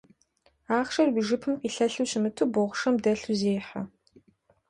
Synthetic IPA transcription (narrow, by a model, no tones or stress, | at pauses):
aːχʃɐrwiʒɪpʰɨmqʼiːɬɐɬuwɕɪmɨtʰuːboʁʷʊʂɐmdɐɬuzeːħɐ